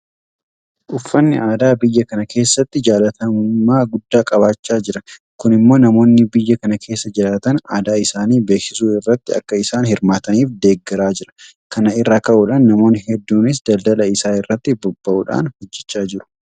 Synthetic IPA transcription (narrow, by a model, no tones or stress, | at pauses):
ʔʊfːɐnːɪaːd̪aːbɪjːɐkɐnɐke̞ːsːɐt̪ːɪd͡ʒaːlɐt̪ɐmʊmaːɡʊd̪ːaːkʼɐbaːt͡ʃːaːd͡ʒɪɾɐ | kʊnɪmːo̞ːnɐmo̞ːnːɪbɪjːɐkɐnɐkʰe̞ːsːɐd͡ʒɪlaːt̪ɐnaːd̪aːɪsaːniːbe̞ːksɪsuːɪrːɐt̪ːɪɐ̰kːɐɪsaːnhɪɾmaːt̪ɐniːfd̪e̞ːɡːɛɾaːd͡ʒɪɾɐ̥ | kɐnɐɪrːaːkɐʔuːᶑaːnːɐmo̞ːnɪhɛd̪ːuːnɪs̬d̪ɐld̪ɐlɐɪsaːɪrːɐt̪ːɪbɔbːɐʔṵːᶑa̰ːnhɔd͡ʒːɛt͡ʃːaːd͡ʒɪɾʊ̥